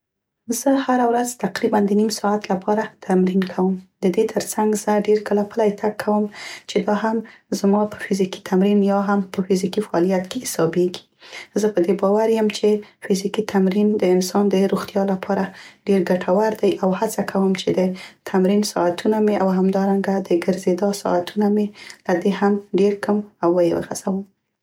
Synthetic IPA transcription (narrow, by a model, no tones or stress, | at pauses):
zəhaɾawɾazt̪aqɾiband̪ənimsɑat̪lapʰɑɾat̪ʰamɾinkʰawəmd̪əd̪et̪ʰəɾt͡saŋɡz̥əɖeɾkəlapəlajt̪ʰakʰːawəmt͡ʃed̪ɑɦamzmɑpə̥fɪziki̥t̪ʰamɾinjɑɦampəfizikifaɑlijat̪keɪsɑbeɡi̥ | zəpəd̪ebɑwaɾjəmt͡ʃefɪzikit̪ʰamɾind̪əɪnsɑnd̪əɾoxt̪jɑlapʰɑɾaɖeɾɡaʈʰawaɾd̪ajʔawhat͡sakʰawəmt͡ʃed̪ət̪ʰamɾinsɑ̰at̪ʰunameawɦamd̪ɑɾaŋɡad̪əɡəɾzed̪ɑsɑ̰at̪ʰunamelad̪ehamɖeɾkʰamawːəjewə̰ɣa̰z̥awəm